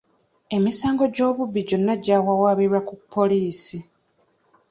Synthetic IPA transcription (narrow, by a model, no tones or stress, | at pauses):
e̞misaːŋɡo̞ɟo̞ːβuβːiɟo̞nːaɟaːwawaːβiɾwakupʰːo̞liːsi